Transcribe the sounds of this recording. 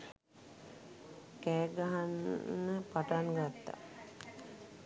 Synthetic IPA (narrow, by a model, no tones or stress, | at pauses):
kɛːɡaɦanːəpaʈaŋɡat̪ːa̰